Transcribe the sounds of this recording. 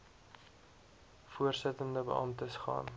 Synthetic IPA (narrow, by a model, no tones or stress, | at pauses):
fuərsətəndəbə̰ʔɐmtəsχɑ̰ːn